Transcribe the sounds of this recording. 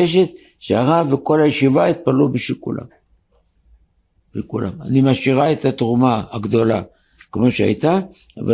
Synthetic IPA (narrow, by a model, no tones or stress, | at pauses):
eʃ̬et̪̚ | ʃeaʁaveko̞lajeʃivait̪̚palubeʃekula̰ | bekula̰a̰nimaʃiʁaet̪at̪ʁumaaɡd̪o̞la | kmo̞ʃea̰jt̪a | a̰va